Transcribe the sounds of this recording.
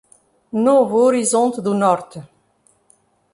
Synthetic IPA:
novoɾizɔ̃nt̪d̪unɔɾt̪

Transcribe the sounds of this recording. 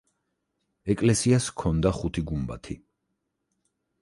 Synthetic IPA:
ɛkʼlɛsiaskʰɔnd̪aχut̪ʰiɡumba̰t̪ʰi

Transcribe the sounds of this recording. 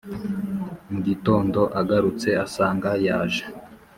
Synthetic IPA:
muɟito̞ːndo̞ʔaɡaɾut͡se̞asaːŋɡajaːʒe

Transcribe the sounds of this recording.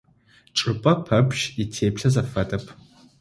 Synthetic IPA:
ʈ͡ʂʼɨpʼɐpʰɐpʰʼʃitʰeːpɬɐzɐfɐtʼɐpʰ

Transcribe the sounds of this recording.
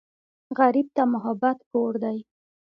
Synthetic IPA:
ɣaɾib̚t̪amʊɦabat̪poɾd̪aj

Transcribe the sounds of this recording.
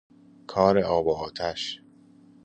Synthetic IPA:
kʰɒːɾeɒːboːt̪ʰæʃ

